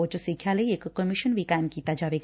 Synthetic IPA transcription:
ot͡ʃosikʰjaləiekkəmiʃənʋikajmkit̪ad͡ʒaːbe

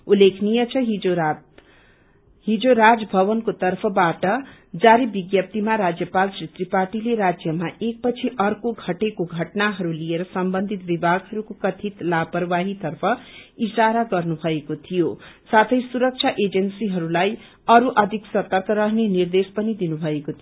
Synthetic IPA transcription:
ulːekʰnijʌt͡sʰʌɦio | ɦid͡zoɾad͡zʌbʱʌβʌnkot̪ʌrpʰʌbaʈʌd͡zaɾibiɡjʌp̚t̪imaɾad͡zjʌpalt͡srit̪riparʈileɾad͡zjʌmaʔek̚pʌt͡sʰiʔʌrkoɡʱʌʈekoɡʱʌʈnaɦʌɾulijeɾʌsʌmbʌnd̪ʱit̪bibʱaɡɦʌɾukokʌt̪ʰit̪lapʌrwaɦit̪ʌrpʰʌisaɾaɡʌrnubʱʌekot̪ʰijosat̪ʰʌjsuɾʌk̚t͡ʃʰaʔed͡zʌnsiɦʌɾulaj | ʌɾuʔʌd̪ʱiksʌt̪ʌrkʰʌɾʌɦnenird̪espʌnid̪inubʱʌekot̪ʰio

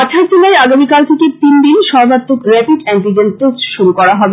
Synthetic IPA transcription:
at͡ɕʰaɾd͡ʑelajaɡamikalt̪ʰeket̪inɖinʃɔɾbat̪ːokɾɛpiʈɛɳʈid͡ʑent̪osʃuɾukɔɾaɦɔbe

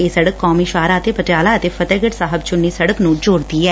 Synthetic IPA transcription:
eːsəɽəkːɔːmiːʃaːɾaːət̪eːpət̪aːlaːət̪eːfʰət̪ɛːɡəʈsaːɦəb̚t͡ʃʊnːiːsəɽəknũːd͡ʒoːɽd̪iːɛː

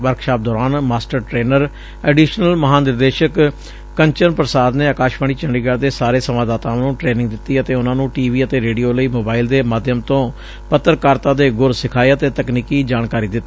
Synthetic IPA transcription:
ʋəɾkʰʃaːp̚d̪ɔːɾaːnmaːsʈəɾʈɾeːnəɾ | ɛːɖiːʃnəlməɦaːnɪɾd̪eːʃək | kəɲt͡ʃənpɾəsaːd̪neːaːkaːʃpaːɳiːt͡ʃəɳɖiːɡaːɾd̪eːsaːɾeːsəmãːd̪aːt̪ãːnũːʈɾeːnɪ̃ŋɡd̪ɪt̪ːiːət̪eːʊnãːnũːʈiːʋiːət̪eːɾeːɖijoːləiːmoːbaːɪld̪eːmaːd̪ʱjəmt̪õː | pət̪ːəɾkaːɾt̪ãːd̪eːɡʊɾsɪkʰaːeət̪eːt̪əkniːkiːd͡ʒaːnkaːɾiːd̪ɪt̪ːi

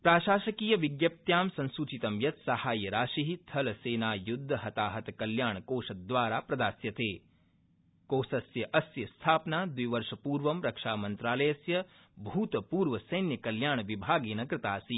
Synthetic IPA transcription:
pɾaːʃaːʃɐkiːjɐʋiɡjɐp̚t̪jaːmsɐ̃nsut͡ʃit̪ɐmjɐt̪sɐhaːjɐɾaːʃiɦit̪ʰɐlɐseːnaːjud̪ʱːɐɦɐt̪aːɦɐt̪ɐkɐljaːɳɐkoːʃɐd̪ʋaːɾaːpɾɐd̪aːsjɐt̪eː | koːsɐsjɐʔɐsjɐst̪ʰaːpnaːd̪ujʋɐɾʂɐpuːɾʋɐmɾɐkʂaːmɐnt̪ɾaːlɐjɐsjɐ | bʱuːt̪ɐpuːɾʋɐsɐjnjɐkɐljaːɳɐʋibʱaːɡeːnɐkɾɪt̪aːsi

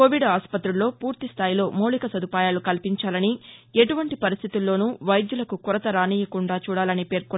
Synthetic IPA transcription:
koːʋiɖaːspɐt̪ɾulːo̞ːpuːɾt̪ist̪ʰaːjilo̞ːmɐwlikɐsɐd̪upaːjaːlukɐlpiɲt͡ʃaːlɐnieʈuʋɐɳʈipɐɾist̪ʰit̪ulːo̞ːnuʋɐjd̪julɐkukuɾɐt̪ɐɾaːniːjɐkuɳɖaːt͡ʃuːɽaːlɐnipe̞ːɾku

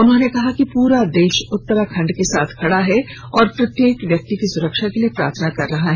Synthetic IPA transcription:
ʊnɦõnekɐɦakipuːɾad̪eːʃʊt̪ːəɾakʰɐ̃ɳɖkesaːt̪ʰkʰɐɽaɦɛ | ɔːɾpɾɐt̪jeːkʋjɐk̚t̪ikisʊɾəkʃakeliepɾa̰ːɾt̪ʰənakɐɾːɐɦaɦɛː

